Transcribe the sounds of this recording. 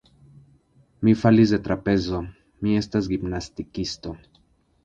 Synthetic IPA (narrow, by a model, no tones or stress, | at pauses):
mifalizd̪et̪ɾape̞zo | mie̞st̪as̬ɡibnast̪ikist̪o